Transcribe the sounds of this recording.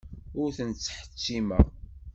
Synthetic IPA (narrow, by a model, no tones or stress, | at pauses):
ʊɾθənt͡sːħə̥t͡sːimæ̰ʁ